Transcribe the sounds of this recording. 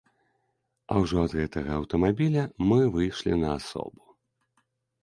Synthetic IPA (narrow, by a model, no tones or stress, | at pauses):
ɐ̰wʐɔɐd̪ɣɛt̪ɐɣɐɐwt̪ɐmabʲilʲɐmɨvɨjʂlʲḭnɐasɔ̰bu